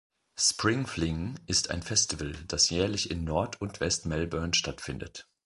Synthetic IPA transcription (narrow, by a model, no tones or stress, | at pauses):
spʁ̥ɪŋflɪŋʔɪstʰa̰ɪnfɛstɪvəld̥asjɛːɐlɪçɪnːɔɐtʰʊntv̥ɛstmɛlbœɐnʃtatfɪndə̰t